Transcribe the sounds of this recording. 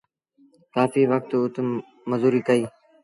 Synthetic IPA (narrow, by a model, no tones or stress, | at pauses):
kaːfiːʋək̚t̪ʊt̪mː | əzuːɾiːkəiː